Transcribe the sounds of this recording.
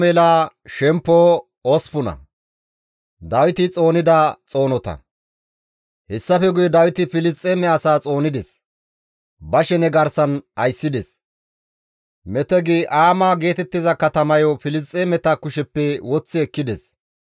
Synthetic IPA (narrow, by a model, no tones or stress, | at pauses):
melaː | ʃɛmpːoː | ɔspʊnɐ̰ | d̪ɐwɪt̪ɪt͡sʼo̞ːnɪd̪ɐt͡sʼo̞ːnɔt̪ɐ̰ | hɛsːɐfɛɡʊjɔd̪ɐwɪt̪ɪfɪlɪst͡sʼːɛmɛɐsaːt͡sʼo̞ːnɪd̪ɛs | bɐʃɛnɛɡɐɾsɐnɐjsːɪd̪ɛs | mɛt̪ɛɡeːʔaːmaːɡe̞ːt̪ɛt̪ːɪzɐkɐt̪ɐmɐjɔfɪlɪs̬t͡sʼːɛmɛt̪ɐkʊʃɛpːɛwɔt͡sːɪɛkːɪd̪ɛs